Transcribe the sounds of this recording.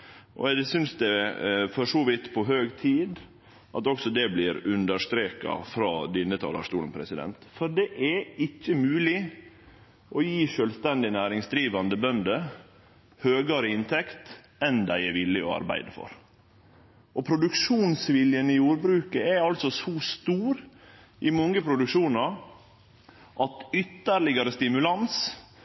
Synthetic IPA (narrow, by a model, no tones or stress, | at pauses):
ʔɔ̰sʏnsd̪ɛfɔʂɔːʋɪt̪ːpʰɔɦøːɡt̪ʰiːd̪ | ʔɑt̪ɔksɔd̪ɛblɪɾʉnd̪əʂt̪ɾeːkɑ̰fɾɑːd̪ɪnːət̪ʰɑ̰ːlɑ̰ʂt̪uːlən̩pʰɾɛsɪd̪ɛ̰nt̪fɔɾɖɛʔɛɪçːəmʉːlɪ | ʔɔjiːʃøːlst̪ɛnd̪ɪnæːɾɪŋsd̪ɾiːʋɑnd̪əbœnd̪ə | høːɡɑɾəɪnt̪ʰɛkt̪ | ɛnd̪æɪɛɾʋɪlːɪɔ̰ɑ̰ɾbæ̰ɪd̪əfɔ̰ɾ | ʔɔpʰɾʊd̪ʉkʂuːnsʋɪljənɪjuːɾbɾʉːkəɛɑlt̪sɔsɔːst̪uːɾ | ɪmɔŋɡəpʰɾʊd̪ʉkʂuːnɑɾ | ʔɑt̪ʏt̪ːəɾlɪɡɑɾəst̪ɪmʉlɑns